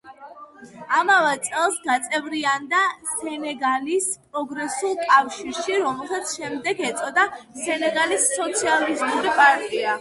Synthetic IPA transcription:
amavɛt̪sʼɛlˠsɡat̪sʼɛvɾiand̪asɛnɛɡalispʼɾɔɡɾɛsulˠkʼafʃiɾʃiɾɔmɛlˠsat̪sʰʃɛmd̪ɛɡɛt̪sʼɔd̪asɛnɛɡalisːɔt̪sʰializmuɾipʼaɾt̪ʼia

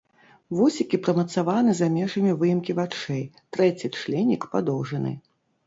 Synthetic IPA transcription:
vusʲikʲipɾɐmɐt̪savanɨzamʲɛʐɐmʲivɨjimkʲivat͡ʂɛjt̪ɾɛt͡sʲit͡ʂlʲɛnʲːikpad̪ɔwʐɐnɨ̰

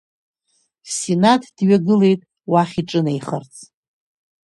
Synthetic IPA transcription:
sinatʰd̥ɥaɡɨle̞jtʼ | waχʲiʈ͡ʂʼɨnejχərt͡sʰʼ

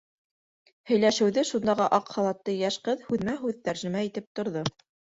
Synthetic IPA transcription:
hɵ̆jlæʃɘ̆wðɘʃund̪ɑʁɤʔɑqχɑlˠɑt̪ːɤjæʃqɤðhʉðmæɦʉðt̪æɾʒɘ̆mæit̪ɘp̚t̪ŏɾðo

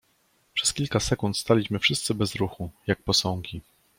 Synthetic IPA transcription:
pʂɛ̥skʲilkasɛkunt̪st̪alʲiɕmɘfʂɘst̪sɘbɛzɾuxujak̚pɔsɔ̃ŋɡʲi

